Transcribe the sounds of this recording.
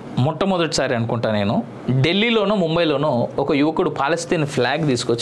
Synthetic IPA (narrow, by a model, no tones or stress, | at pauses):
mɔʈːɐmɔd̪ɐʈi̥saːɾiɐnukuɳʈaːne̞ːnu | ɖe̞lːiːlo̞ːnuːmumbɐjlo̞ːnuɔkɐjuʋɐkuɽupaːlɐst̪iːnpʰlaːɡt̪iːsu̥kot͡ʃː